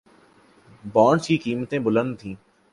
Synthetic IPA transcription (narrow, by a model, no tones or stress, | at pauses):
bɔːɳskikiːmət̪ẽbʊlə̃nd̪̚t̪ʰĩː